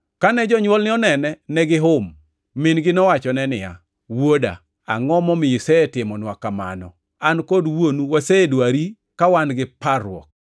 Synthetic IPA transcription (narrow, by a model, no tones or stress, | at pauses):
kanɛd͡ʒɔɲwɔlnɪɔnɛnɛnɛɡɪɦʊmː | ɪnɡɪnɔwat͡ʃɔnɛnɪja̰ | woda̰ | aŋɔmɔmɪɪsɛetɪmɔnwakːama̰nɔ̰ | ankɔdwonuwaseedwaɾi | kawanɡɪparwɔ̰k̚